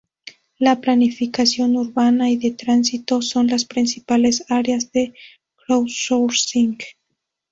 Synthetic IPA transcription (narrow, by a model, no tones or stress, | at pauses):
laplanifikasjo̞nuɾβanajðe̞t̪ɾansit̪o̞sonlaspɾinsipale̞saɾeazðe̞ | kɾowsoɾsiŋɡ